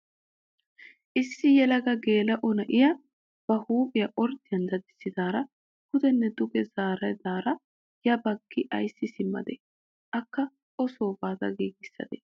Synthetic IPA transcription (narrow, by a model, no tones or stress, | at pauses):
ʔɪsːɪjɛlɐɡɐɡe̞ːlɐʔɔnɐʔɪjɐ | b̥ɐhuːpʼɪjɐʔɔɾt̪ːɪjɐnd̪ɐd̪ɪsːɪd̪aːɾɐ | kʊd̪ɛnːɛd̪ʊkʼɛzaːɾɐjd̪aːɾɐ | jɐbɐɡːɪʔɐjsːɪsɪmːɐ̰d̪ɛ̰ | ʔɐkːɐ | ɔsoːbaːt̪ɐ̰ɡiːɡɪsːɐ̰d̪ɛ̰